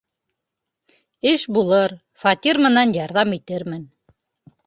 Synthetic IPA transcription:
ɘʃbulˠɤɾ | fɑt̪ʲiɾmɘ̆nɑnjɑɾðɑmit̪ɘɾmɘn

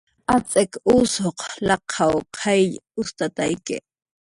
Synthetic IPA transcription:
at͡sʼekusoqlɑqʰɑwqʰejjʊst̪at̪ajkɪ̰

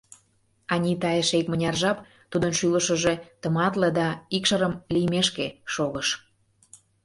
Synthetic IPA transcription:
ɑnʲit̪ɑjəʃekmənʲɑrʒɑp | t̪ud̪ənʃyləʃəʒet̪əmɑt̪led̪ɑikʃəɾəmlijmeʃkeʃoɣəʃ

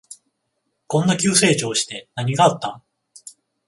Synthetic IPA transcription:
kõ̞nːakʲɨːse̞ːt͡ɕo̞ːɕi̥t̪e̞naɲ̟iɡaːt̪ːa

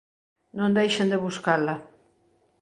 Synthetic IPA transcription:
nõnd̪ejʃɐnd̪eβuskalɐ

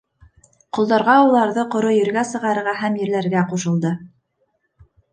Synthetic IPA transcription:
qŏlˠd̪ɑɾʁɑulˠɑɾðɤqŏɾojɘ̆ɾɡæsɤ̆ʁɑɾɤ̆ɾʁɑɦæmjɘ̆ɾlæɾɡæquʃɤ̆lˠd̪ɤ

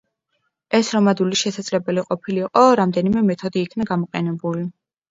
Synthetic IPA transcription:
ɛsɾɔmad̪uliʃɛsad̪z̥lɛbɛliqʼɔpʰiliːqʼɔɾamd̪ɛnimɛmɛt̪ʰɔd̪iːkʰnaɡamɔqʼɛnɛbuli

